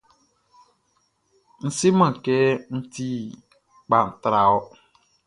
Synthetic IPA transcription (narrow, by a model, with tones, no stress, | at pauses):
n̩˨sɪ˦mã˨kɛ˦n̩˦tʰi˦ | k͡pa˨n̩˨tɾa˨ɔ˦